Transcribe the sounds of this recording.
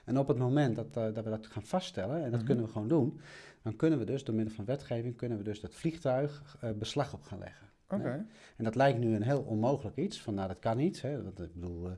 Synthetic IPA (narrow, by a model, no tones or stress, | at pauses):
ʔɛnɔpətmomɛntdɔtdɔtʋədɔtxaːnfasttɛlˠənɛndɔtkønənʋəxʋoːndund̥ɔnkønənʋədøsdoəmɪdəlˠfɔnʋɛtxeːvɪŋkønənʋədøsdɔtflixtœɥxəbəslaxɔpxaːnlʔɛ̰ɣən | ɛndɔtlɛjk̚tnyənɦeːlˠɔnmoːɣələkisfɔnːadɔtkanitɦɛɪɡ̚bədulˠ